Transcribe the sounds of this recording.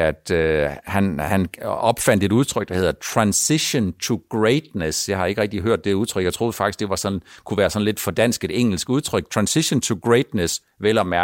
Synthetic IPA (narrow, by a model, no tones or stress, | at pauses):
æd̥øhænhænɒ̽b̥fæn̰d̥əe̝ɾuð̞ˠt͡sʰʁœɡ̥̚d̥ɑ̈he̝ð̰ˠɐt͡sʰʁɑ̈nsiɕont͡sʰuɡ̥ʁeɪd̥nesjɑ̈ɪhɑ̈e̝ɡəʁɛɡ̥̚d̥iɦøɐ̰d̥ːe̝uðˠt͡sʰʁœɡ̥jɪt͡sʰʁo̝ːð̩ˠfɑ̈ɡ̥isɡ̥d̥e̝ʋɑ̈sɒ̽nkʰuʋæːɐsɒ̽nle̝d̥fɒ̽d̥æn̰sɡ̥e̝d̥eŋ̰l̩sɡ̥uð̞ˠt͡sʰʁœɡ̥̚t͡sʰʁɑ̈nsiɕont͡sʰuɡ̥ʁeɪd̥nəs | ʋel̰ɒmæ